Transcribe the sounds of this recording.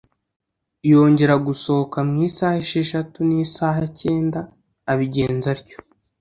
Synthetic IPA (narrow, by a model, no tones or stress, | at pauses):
jo̞ːɲɟe̞ɾaɡuso̞okamŋiːsaːheʃeʃatuniːsaːɦace̞ːndaː | βiɟe̞ːnzaɾco̥